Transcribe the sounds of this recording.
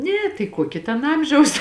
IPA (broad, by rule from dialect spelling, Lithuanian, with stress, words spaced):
ˈnʲɛ tɐɪ ˈkuɔkʲɪ tʲɛn ˈɐmʲʒʲɛʊs